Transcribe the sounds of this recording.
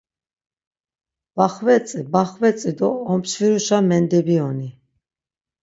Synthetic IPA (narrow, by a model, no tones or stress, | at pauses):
b̥aχvɛt͡sʼibaχvɛt͡sʼid̪ɔːmpʃviɾuʃamɛnd̪ɛbiɔni